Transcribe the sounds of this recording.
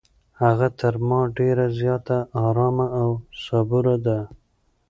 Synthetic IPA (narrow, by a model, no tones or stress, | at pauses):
haɣat̪ʰəɾmɑɖeɾazjɑt̪aːɾɑmaːwsabuɾad̪a